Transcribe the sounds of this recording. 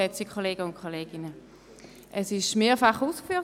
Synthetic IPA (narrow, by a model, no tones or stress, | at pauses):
ɛt͡sikʰoleːɡəʊntkʰoleːɡɪnə | ʔɛsɪʃmeːɐfaχuːskfyː